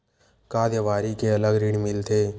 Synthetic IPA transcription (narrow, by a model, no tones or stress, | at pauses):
kaːd̪jəʋaːɾikeɐləɡɾɪɽmɪlt̪ʰeː